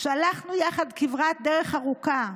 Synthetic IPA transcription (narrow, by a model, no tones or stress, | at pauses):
ʃalaχnujaχad̪kivʁat̚d̪eʁe̞χaʁuka